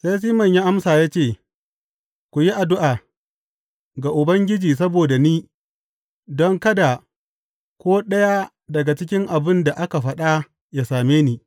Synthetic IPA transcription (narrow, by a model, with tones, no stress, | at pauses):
sa˦js̬iː˦mɐ˨ɲji˦ʔa˦msaː˨jaː˦t͡ʃeː˦˨ | kʷu˨ji˦ʔa˨dʊ˦ʔaː˨ | ɡa˨ʔʊ˨bɐ˦ŋɡʲɪ˦d͡ʒiː˨s̬ɐ˦boː˨da˨niː˦ | dɔ˦ŋkɐ˦da˨ | kʷoː˦ɗɐ˦ja˦ | dɐ˨ɡa˨t͡ʃɪ˦k̬ʲɪ˦ŋʔa˨bɪ˦nda˨ʔa˦ka˨ɸɐ˦ɗa˦ | ja˦saː˨meː˦niː˦